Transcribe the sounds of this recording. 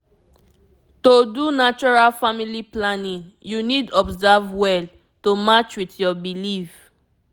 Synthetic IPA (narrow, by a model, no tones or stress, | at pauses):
todunat͡ʃɔɹalfamiliplãnĩŋjunidɔbzavwɛl | tomat͡ʃwitjɔbilif